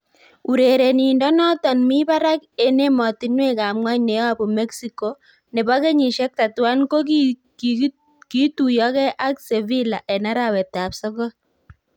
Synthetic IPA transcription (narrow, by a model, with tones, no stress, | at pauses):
u˨ɾe˨ɾe˨ni˨ndɔ˦nɔ˦tɔ˨nmi˦ba˦ɾa˦ke˦ne˦mɔ˨ti˦nwe˦ka˨mŋwa˦ɲne˨ja˦pɔ˨me˦ksi˦ko | nɛ˨βa˦ke˦ɲi˨ʃɛ˦k̚ta˨twa˦nko˦k | ki˦tujɔ˦kɛ˦ʔa˦kse˨vi˦la˨ʔɛ˨na˦ɾa˨wɛ˨ta˨psɔ˦kɔ˦